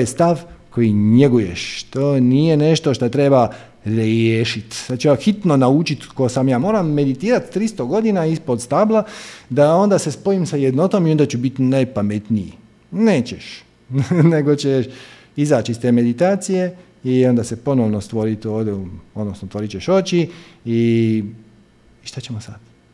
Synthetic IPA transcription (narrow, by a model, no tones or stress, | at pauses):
jest̪aʋko̞jiɲe̞ɡujeʃt̪oːnije̞ne̞ʃt̪o̞ʃt̪at̪ɾe̞ba | ɾeːʃit̪ad̪t͡ʃeaxit̪no̞naut͡ʃit̪kosamjaːmo̞ːɾamːe̞d̪it̪iːɾat̪ːɾist̪oɡo̞d̪inaispo̞d̪st̪ablˠad̪ao̞nd̪ase̞spo̞jimsajed̪no̞t̪omiond̪at͡ʃubit̪najpame̞t̪nijḭ | ne̞ːt͡ɕeʃ | ne̞ɡo̞t͡ɕeʃ | izaːt͡ɕiist̪eːme̞d̪it̪aːt̪sije̞ | iond̪ase̞po̞noʋnost̪ʋo̞ɾit̪o̞ːʋd̪ʲjeuod̪nosnost̪ʋo̞ɾit͡ɕeʃo̞t͡ɕii | ʃt̪at͡ɕe̞mosad̪̥